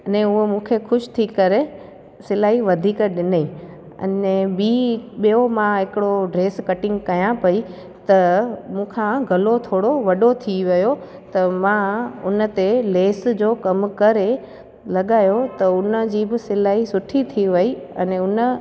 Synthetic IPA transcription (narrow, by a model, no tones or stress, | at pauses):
ɐnẽʊɦomũːkʰexʊʃt̪ʰikɐɾe | sɪlaːɦiʋɐd̪ʱiːkɗɪnəi | ɐ̰nɛɓiːɓijomãɦɪkɪɽoɖɾeːskɐʈɪ̃ŋɡkɐjãpɐi | t̪ɐmũːkʰãɡʱɐlot̪ʰoːɽoʋɐɗot̪ʰiʋɐjo | t̪ɐmãʊnə̆t̪eleːsd͡ʑoːkɐmkɐɾe | lɐɠaːjot̪ɐʊnəd͡ʑiːbɪsɪlaːɦisʊʈʰit̪ʰiʋɐiɐ̰nẽʊnə